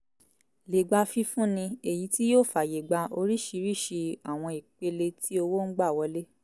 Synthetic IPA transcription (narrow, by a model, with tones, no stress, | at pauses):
le˨ɡ͡ba˧fi˧fũ˦nĩ˧e˨ji˨˧˦ti˦joː˦˨fa˨je˨ɡ͡ba˧o˧ɾi˦˨ʃi˧ɾi˦˨ʃi˧a˨w̃ɔ̃˧i˨k͡pe˧le˧tʰi˦o˧wo˦n̩˦ɡ͡ba˦˨wɔ˧le˦